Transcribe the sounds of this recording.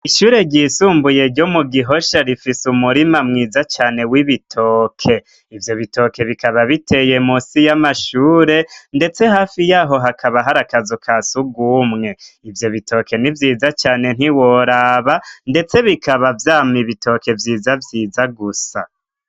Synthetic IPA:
iʃuːɾe̞ɟiːsuːmbuje̞ɾɟomuɡiɦo̞ʃaɾifisumuɾimamŋiːzat͡ʃaːne̞wiβitʰo̞ːkʰe̞ | ivjo̞βito̞ːke̞βikaβaβitʰe̞je̞musijamaʃuːɾe̞nde̞t͡se̞ɦaːfijaːɦo̞ɦakʰaβaɦaɾakazokʰasuɡuːmŋe̞ivjo̞βito̞ːkʰe̞nivjiːzat͡ʃaːne̞n̥hiwo̞ɾaːβande̞t͡se̞βikaβavjaːmiβito̞ke̞vjiːzavjiːzaɡusa̰

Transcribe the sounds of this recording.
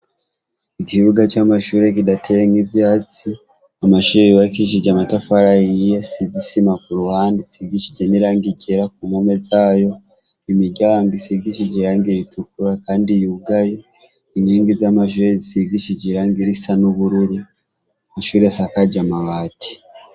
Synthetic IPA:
ikiβuɡat͡ʃamaʃuːɾe̞k̬idatʰeɾeŋivjaːt͡si | amaʃuɾeiwakiʃ̬id͡ʒamatafaɾajijesizisimakuɾuhaːndisiɡiʃiɟeniɾaːŋɡiɟeɾak̚umomezaːjo̞ | imiɟaaŋɡisiɡiʃiɟiɾaːŋɡiɾitukuɾakaːndijuuɡaje | iɲiːŋɡizamaʃ̬uːɾezisiɡiʃiɟiɾaːŋɡiɾisanuβuɾuɾu | amaʃuːɾesakaɟamaβaːti̥

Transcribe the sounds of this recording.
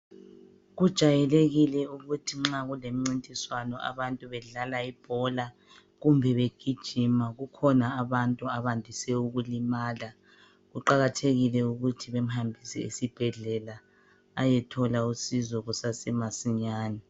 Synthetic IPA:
ɣud̥ʒ̥ʱajɛleɣilɛuɣutʰiŋ͡ǁaɣulem̩ŋ͡ǀintʼiswanɔʔa̰βantʼuβɛɮalaib̥ʱɔla | ɣumbʱɛβeɡ̥ʱid̥ʒ̥ʱimaɣukʰɔnaːβantʼuaβandʱisɛuɣulimaːla | ɣuǃaɣatʰeɣilɛuɣutʰiβem̩hambʱisɛḛsib̥ʱɛɮɛlaː | jɛtʰɔlausizɔɣusasɛmasiɲaːni

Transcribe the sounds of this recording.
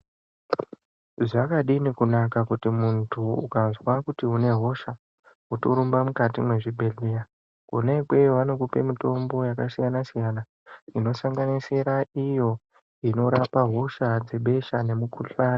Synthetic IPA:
ʐakaɗinikunakakutimuntʰuṵkazwakutiune̞ɦo̞ʃa | uto̞ɾumbamukatimwe̞ʐibʱe̞ɮeɾa | kunekwe̞ʋano̞kupe̞mito̞mbo̞jakasijanasijana | ino̞saŋɡaniseɾaijo̞ | ino̞ɾapaɦo̞ʃad͡ze̞ɓe̞ʃane̞mukʰuɬaːna

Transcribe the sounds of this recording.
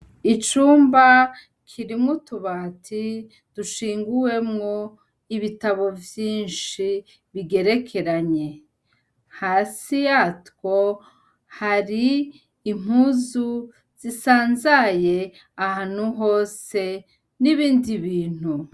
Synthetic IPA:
it͡ʃuːmba | kʰiɾimŋutuβatʰi | d̥uʃiːŋɡuwe̞mŋo | iβitaβo̞vjiːnʃi | βiɡe̞ɾe̞kʰe̞ɾaɲe | haːsijatkwo̞ | haɾiː | m̥uzu | z̥isaːnzaje̞ | ahaːn̥uɦo̞ːs | e̞ | niβiːndiβiːn̥hu

